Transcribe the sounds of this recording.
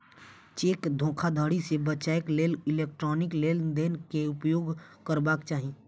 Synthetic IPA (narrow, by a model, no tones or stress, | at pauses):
t͡ʃeːkd̪ʱõːkʰad̪ʱəɽisebət͡ʃaːekleːlɪleːk̚ʈɾɔːnɪkleːld̪eːnkeʊpjoːɡkəɾbaːkt͡ʃaːɦi